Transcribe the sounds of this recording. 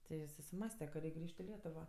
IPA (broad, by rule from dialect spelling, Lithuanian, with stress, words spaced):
ˈtʲɪ ɪ sʊsʲɪˈmɑːsʲtʲɛ kɐ ˈrʲɛɪkʲ ˈɡrʲiːʃʲtʲ ɪ ˈlʲiɛtʊʋoː